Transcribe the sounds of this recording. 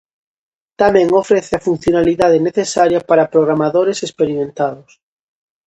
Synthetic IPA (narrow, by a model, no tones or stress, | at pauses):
t̪amẽŋofɾeθeafun̟θjonaliðað̞eneθesaɾjapaɾapɾoɣɾamaðoɾesespeɾimẽnt̪aðʊs